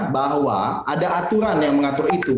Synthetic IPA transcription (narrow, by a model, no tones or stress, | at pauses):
baɦwa | adaat̪uɾanjaŋməŋat̪ʊrit̪u